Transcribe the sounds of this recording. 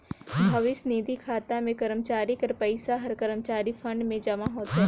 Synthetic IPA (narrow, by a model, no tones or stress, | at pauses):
bʱɐʋɪsniːd̪ikʰaːt̪amẽkɐɾəmt͡ʃaːɾɪkɐɾpɐɪsaɦɐɾkəɾəmt͡ʃaːɾifʰɐ̃ɳɖmẽd͡ʒɐmaɦoːt̪a